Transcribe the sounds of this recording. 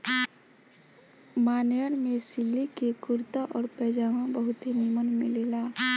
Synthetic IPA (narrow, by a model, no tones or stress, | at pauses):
maːnejəɾmẽsɪlːikekʊɾt̪aʔɔːɾpɛːd͡ʒaːʋãbəɦʊt̪ɦinimənmɪlelaː